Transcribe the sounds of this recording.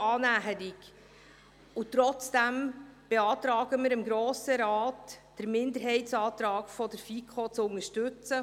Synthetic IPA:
ɑːnæɦəɾik | ʊtɾɔt͡sd̥æmb̥eɑːt̪ɾɑːɡəmɪːɾɪmɡɾoːsəɾɑːtd̥əɾmɪndəɾɦɛɪtsɑːtɾɑːɡfɔdəɾfikʰχot͡sʊnəʃtʉt͡sə

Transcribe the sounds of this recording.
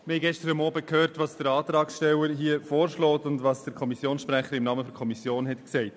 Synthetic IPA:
ɪhɛɪɡɛʃtəɾəmɔːbəkʰhøːɾtʋɑsd̥əɾɑːtɾɑːksʃtɛwəɾɦiːəfoːɾʃlɔːtʊndʋɑːsd̥əkʰɔmisjoːnsʃpɾæχəɾɪmnɑːməfɔɾkʰɔmisjoːnɦɛtksɛɪt

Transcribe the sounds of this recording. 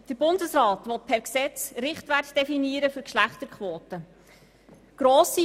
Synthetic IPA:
d̥əɾbʊndəsrɑːt̪ʋɔt̪̚pʰæɾksɛt͡sɾɪχtʋætd̥ɛfiniəɾəfʏɾkʃlæχtəɾkχʋoːtə | ɡ̥ɾoːsi

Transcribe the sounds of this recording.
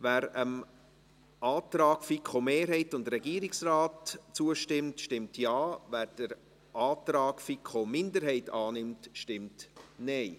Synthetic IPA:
væːɾəm | ʔɑːtɾɑːkfikχomeːɾɦɛɪtʊndɾɛɡiːɾɪksraːtt͡suəʃtɪmtʃtɪmtjɑːvæːɾd̥əɾ | ʔɑːtɾɑːkfikχomɪndəɾɦɛɪtʰɑːnɪmtʃtɪmtnɛɪ

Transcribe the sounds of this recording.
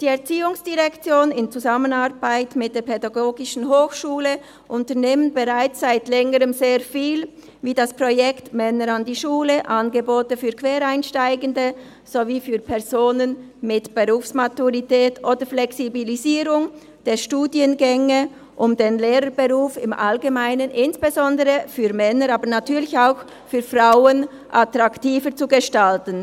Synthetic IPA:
d̥iːɛɐt͡siːʊŋsd̥iʁɛkt͡sjoːnɪnt͡suzamənaʁbaɪtmɪt̚d̥eːɐpʰɛdaɡoːɡɪʃn̩ɦoːxʃuːlə | ʔʊntəneːmənbeʁaɪt͡sːaɪtlɛŋəʁəmzeːɐfiːl | viːdaspʁojɛktmɛnəɾɑndiːʃuːləʔanɡəboːtəfyːkʰv̥eːɾaɪnʃtaɪɡəndə | z̥oviːfyːpʰɛɐz̥oːnən | mɪtb̥eʁuːfsmatuʁitɛːtʰʔoːdəɾflɛksibiliziːɾʊŋ | d̥eːʃtuːdjənɡɛŋə | ʔʊmdenleːɾəbeʁuːfɪmʔalɡemaɪnənʔɪnsb̥ezɔndəʁəfyːmɛnəɾaːbənatʰyːɐlɪçaʊx | fyːfʁaʊən | ʔat̪ʁaktiːfət͡suɡeʃtaltən

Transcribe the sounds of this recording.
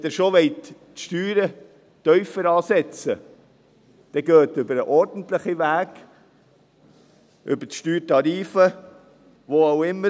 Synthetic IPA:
d̪ɛɾʃoʋɛɪt | ʃtyːɾə | t̪œʏfəɾɑːsɛt͡sə | d̪̥ɛɡøːtʏbəɾəʔɔɾdən̩t̪ləχiʋæːɡ̥ | ʔʏ̰bətʃtyːɾtɑɾiːfə | ʋoɑwɪmːə

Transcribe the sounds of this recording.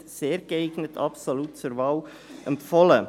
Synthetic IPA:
seːɾɡ̥əeɪɡ̥nətʰɑ̰psoluːt̚t͡suɾvaːl | ʔɛmpfɔlə

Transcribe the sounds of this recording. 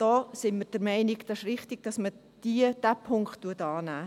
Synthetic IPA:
d̥ɔːsɪnməd̥əɾmɛɪnɪɡd̥ɑʃrɪχtɪɡ̥̚d̥ɑsmə | d̥iəd̥æpʰʊŋkχtːuətɑːnæː

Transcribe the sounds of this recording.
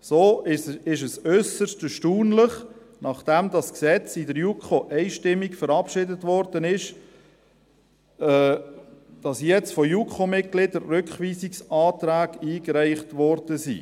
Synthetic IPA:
soːɪʃ̬əsœsəstəʃtuːnləχ | nɑχd̥ɛmdɑsksɛt͡sɪdəɾjukχoʔɛɪʃtɪmːikfəɾɑpʃɪdətvɔɾdənɪʃ | d̥ɑsjɛt͡stfɔjukχomɪt̚ɡ̥lɪdəɾːʏkχʋiːsɪksɑːtɾæːɡiːɡɾæɪχtʋɔrd̥əsḭː

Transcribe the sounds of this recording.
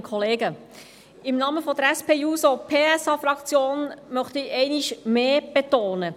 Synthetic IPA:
kʰχɔleːɡə | ɪmnɑːməfɔd̥̪əɾæspʰeːjuːsɔpʰeːɛsɑːfɾɑkt͡sjoːnmœχt̪əiɛɪniʃmeːb̥et̪oːnə

